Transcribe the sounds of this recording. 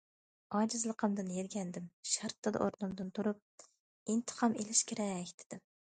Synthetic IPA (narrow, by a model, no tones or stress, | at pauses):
ɑːd͡ʒɪzlˠəqʰəmd̪ɨnjeɾɡʲɛnd̪ɪmʃæɾt̪ʰːɨd̪ɨ̰ʔo̰ɾnɨmd̪ɨnt̪ʰuɾup̚ | int̪ʰə̥qʰɑmelɪʃkʲʰeɾɛkʲt̪ʰɪ̥d̪̥ɪm